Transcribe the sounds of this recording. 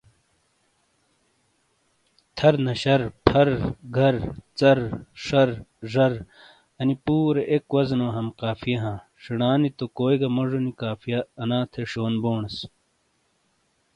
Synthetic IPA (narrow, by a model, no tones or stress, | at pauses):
t̪ʰɐɾnɐɕɐɾpʰɐɾɡʱɐɾt͡sɐɾʂɐɾʐɐɾ | ɐnipuːɾeʔekwɐznoːɦɐmqaːfijɐɦãː | ʂiɽaːnit̪okoːjɡɐmoʐonikaːfʰijɐɐnãːt̪ʰeʂoːnboːɳɐs